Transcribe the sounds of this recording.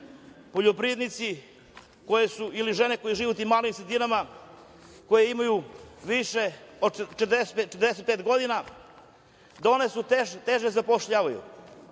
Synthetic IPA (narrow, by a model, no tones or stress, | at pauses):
po̞ʎopɾid̪nit̪si | ko̞jesuiliʒene̞ko̞jiʒiːʋut̪imːalimsɾed̪inama | ko̞jeimajuʋiʃeot͡ʃt̪d̪eseet͡ʃet̪ɾd̪es̬et̪̚peːt̪ɡo̞d̪ina | d̪onesut̪et̪eʒezapoʃʎaʋajṵ